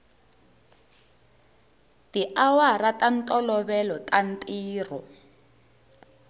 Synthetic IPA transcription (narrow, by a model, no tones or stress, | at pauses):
tiʔawaratan̩tʼɔlɔβɛlɔtʼan̩tʼiːrɔ